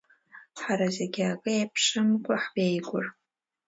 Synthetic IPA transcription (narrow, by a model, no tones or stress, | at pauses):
ħaɾazeɡʲɪakʼɨejpʰʂɨmkʷʼaħbejɡʷʼʊr